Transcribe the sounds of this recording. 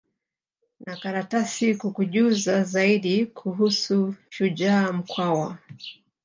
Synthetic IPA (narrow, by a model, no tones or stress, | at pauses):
nakaɾatasikukuʄuzazaiɗikʰuɦusuʃuʄaːm̩kwawa